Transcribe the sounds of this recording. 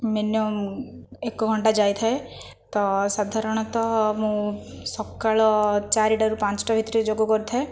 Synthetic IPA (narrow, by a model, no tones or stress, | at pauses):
menjɔ | ekɔɡʱɔɳʈad͡ʒajt̪ʰae | t̪ɔsad̪ʱaɾɔɽ̃ɔt̪ɔmũ | sɔkːaɭɔt͡ʃaɾiʈaɾupãt͡ʃɔ̥ʈɔbʱit̪ɾid͡ʒoɡɔkɔɾit̪ʰa